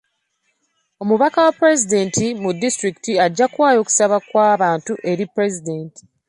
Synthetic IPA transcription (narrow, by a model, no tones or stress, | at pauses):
o̞muβakawapːɾe̞zide̞ːntimudːistɾiki̥tiaɟːakwaːjo̞ːku̥saβakwaːβaːntuʔe̞ɾipɾe̞zide̞ːnti̥